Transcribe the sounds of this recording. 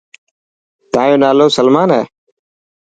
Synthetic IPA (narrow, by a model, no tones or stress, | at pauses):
t̪ãːjõːnaːloːsəlmaːnɦɛ̰ː